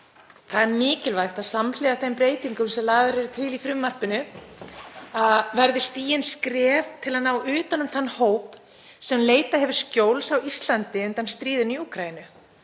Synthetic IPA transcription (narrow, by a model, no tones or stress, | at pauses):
θaðɛɾmɪːcɪlvajxt̪aðsamlɛɣaθejmpɾeːjt̪iŋkʏmsɛmlaːɣvɪɾɛɾʏt̪ʰɪlifɾʏmːar̥pɪnʏ | aðvɛɾðɪst̪iːjɪnskɾɛːvt̪ʰɪlanaːwʏːt̪anʏmθanːhoːwp | sɛmleːjt̪ahɦɛvʏɾ̥scjowlsawist̪lant̪ɪʏnt̪anst̪ɾiːðʏniuːkʰɾainʏ